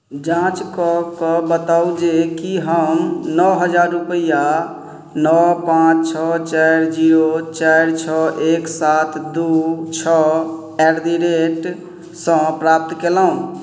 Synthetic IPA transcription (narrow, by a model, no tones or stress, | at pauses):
d͡ʒãt͡ʃkɔkɔbət̪awd͡ʒekiɦəmnɔɦəd͡ʒaɾːupəja | nɔpãt͡ʃt͡ʃʰɔt͡ʃaɾd͡ʒiot͡ʃaɾt͡ʃʰɔʔeksat̪ʰd̪ut͡ʃʰɔ | ɛɾd̪iɾeʈ | sə̃pɾap̚t̪keləɦũ